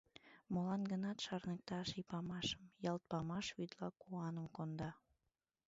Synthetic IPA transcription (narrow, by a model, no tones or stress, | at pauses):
molɑnɡənɑt̪ʃɑrnək̚t̪ɑʃipɑmɑʃə̥mjɑlt̪̚pɑmɑʃβyd̪lɑkuɑnəmkond̪ɑ